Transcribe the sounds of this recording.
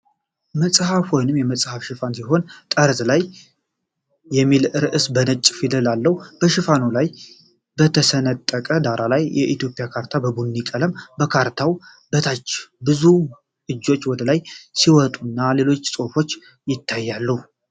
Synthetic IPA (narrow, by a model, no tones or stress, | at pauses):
məsʼhafho̞jnɨmjɛməsʼhafʃɪfansiɦo̞nt̪ʼəɾzlaj | ɛmːilʔɨɾɨʔɨsbənət͡ʃʼːfid̪əlalːəhub̥əʃɪfanolaj | bət̪ʰəsənət̪ʼːəkʼəd̪aɾʔalajjɛʔit̪jo̞pʼjakʰaɾt̪ʰabəbunːikʼələmbəkʰaɾt̪ʰaw | bət̪ʰat͡ʃːbɨzu | ʔɨd͡ʒːo̞t͡ʃːwɔd̪əlajsiwɔt̪ʼunːale̞lo̞t͡ʃːsʼo̞fo̞t͡ʃː | jɪt̪ʰːajːalːəhu